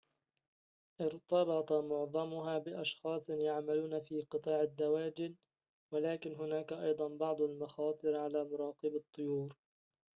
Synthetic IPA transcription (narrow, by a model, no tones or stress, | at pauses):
ʔɪɾt̪ˤɑbɑt̪ˤɑmʊʕðˤɑmʊɦaːbɪʔɑʃxɑːsˤnjaʕmaluːnafiːqɨt̪ˤɑːʕad̪ːawaːd͡ʒɪn | walaːkɪnɦʊnaːkaʔɑjd̪ˤɑnbɑʕd̪ˤalmɑxɑːt̪ˤɨɾʕalaːmʊɾˤɑːqɨbɑt̪ˤːʊjuːɾ